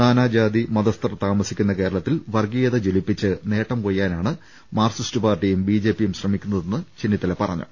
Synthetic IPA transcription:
naːnaːd͡ʑaːd̪imɐðɐst̪ɐrt̪aːmɐsikʲːunːɐke̞ːɾɐɭɐt̪ːilʋɐrɡijɐðɐd͡ʑelipːit͡ɕːɨne̞ːʈːɐmkojːaːnaːɳɨ | maːrsistɨpaːrʈijumbiːd͡ʑe̞ːpːijumɕrɐmikʲːunːɐðe̞nːɨt͡ɕinːit̪ːɐlepɐrɐ̰ɲːɨ̰

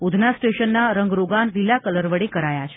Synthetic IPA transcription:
ud̪ʱnasʈeʃənːaɾəŋɡɾoɡanʋilːakələɾʋəɽikəɾajat͡ʃʰe̥

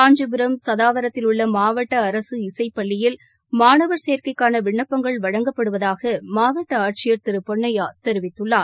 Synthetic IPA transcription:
aːɲd͡ʒɯbɪɾɐmsɐðaːʋɐɾɐt̪ːɪlʊɭːɐmaːʋɐʈːɐːɾɐsɯɪsɐɪpːɐɭːɪjɪl | maːnɐʋɐɾseːɾkɐɪkːaːnɐʋɪɳːɐpːɐŋɡɐɭʋɐɻɐŋɡɐpːɐɽɯʋɐðaːɣɐmaːʋɐʈːɐaːʈ̚t͡ʃɪjɐɾt̪ɪɾɯpɔɳːɐjaːt̪ɛɾɯʋɪt̪ːɯɭːaː

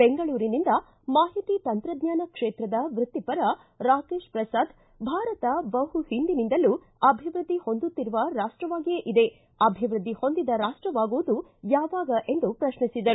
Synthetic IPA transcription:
beŋɡɐɭuːɾinind̪ɐ | maːɦit̪iːt̪ɐnt̪ɾɐd̪ɲaːnɐkʂeːt̪ɾɐd̪ɐʋɾut̪ːipɐɾɐ | ɾaːke̞ːʂpɾɐsaːd̪ | bʱaːɾɐt̪ɐbɐhuhind̪inind̪ɐlu | ɐbʱiʋɾɨd̪ʱːiho̞nd̪ut̪ːiɾuʋɐɾaːʂʈɾɐʋaːɡijeʔid̪e̞ | ɐbʱiʋɾɨd̪ʱːiho̞nd̪id̪ɐɾaːʂʈɾɐʋaːɡuʋud̪ujaːʋaːɡɐʔe̞nd̪upɾɐʃnisid̪ɐɾu

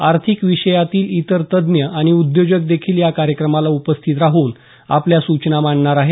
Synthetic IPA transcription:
aɾt̪ʰikʋiɕəjat̪iːlit̪əɾt̪əd̪njəʔaɽ̃iud̪jod͡ʑək̚d̪ekʰiːljakaɾjəkɾəmalaupəst̪ʰit̪ɾaɦuːn | a̰pljasut͡ɕnamaɳɳaɾaɦe

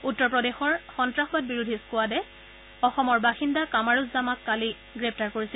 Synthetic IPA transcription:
utːɔɹpɹɔdexɔɹxɔntɹaxɔbad̚biɹudʱiskʊadɛ | ɔxɔmɔɹbaxindakamaɹuzzamakːali | ɡɹɛp̚ʰtaɹkoɹisil

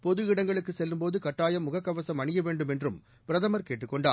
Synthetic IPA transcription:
pɔðɯɪɽɐŋɡɐɭɯkːɯsɛlːɯmpoːðɯkɐʈːaːjɐmːʊɣɐkːɐʋɐsɐmɐɳɪjɐʋeːɳɖɯmɛndrɯm | pɪɾɐðɐmɐɾkeːʈːɯkːɔɳɖaː

